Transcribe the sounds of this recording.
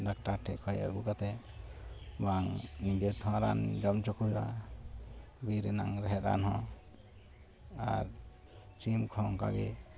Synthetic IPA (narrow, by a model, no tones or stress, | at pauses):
ɖak̚ʈaɾʈʰɛʔkʰɔja̰ɡukat̪ɛ | baŋnid͡ʒɛt̪ʰɔ̃aɾa̰nd͡ʒɔmt͡ʃɔkuɦiwa | biɾɛna̰ŋɾɛɦɛt̪a̰nɦɔ̃ | a̰ɾ | t͡ʃimkʰɔ̃ŋka̰ɡɛ